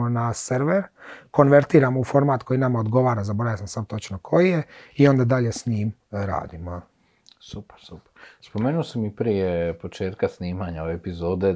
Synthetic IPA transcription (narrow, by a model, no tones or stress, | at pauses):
onaseɾʋeɾko̞nʋe̞ɾt̪iːɾamoufo̞ɾmaːt̪kʰo̞jinamao̞d̪ɡo̞ʋaːɾazaboɾaʋjasamsamt̪o̞t͡ʃnokʰo̞jijeio̞nd̪ad̪aʎe̞sɲiːmɾa̰ːd̪imo | supe̥ɾsupe̥ɾspomeːnuosamipɾijepo̞t͡ʃeːt̪̚kasniːmaɲaoeepizoːd̪e